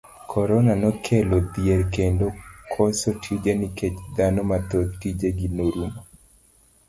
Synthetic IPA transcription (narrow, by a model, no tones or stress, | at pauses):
kʰɔɾɔnanɔkʰelod̪jeɾkendokʰɔsotʰid͡ʒeniket͡ʃd̪anɔmat̪ot̪tid͡ʒeɡinoɾumo